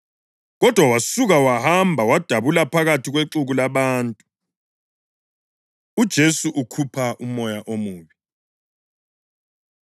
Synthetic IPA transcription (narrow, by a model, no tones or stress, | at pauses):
ɣɔd̥ʱwawasuɣawahambʱawad̥ʱaβulapʰaɣatʰiɣweǁuɣulaβaːntʼu | ud̥ʒ̥ʱesuʔukʰupʰaʔumɔjaʔomuːβi